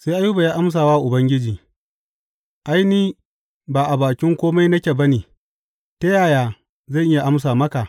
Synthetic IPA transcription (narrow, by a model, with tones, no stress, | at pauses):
sa˦jʔa˦ju˦ba˨jaː˦ʔa˦ms̬aː˨waː˦ʔʊ˨bɐ˦ŋɡʲɪ˦d͡ʒiː˨ | ʔa˦jniː˦ | baː˨ʔa˨baː˨kʲɪ˦ŋkʷoː˦ma˦jnɐ˦kʲeː˨bɐ˦niː˨ | tɐ˦jaː˨jaː˨ | zɐ˦˨ʔɪ˦ja˨ʔa˦ms̬aː˨mɐ˦ka˨